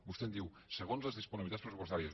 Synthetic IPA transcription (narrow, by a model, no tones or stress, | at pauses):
bust̪end̪iwsəɣ̞onzləzðispuniβit̪atspɾəsupost̪aɾjə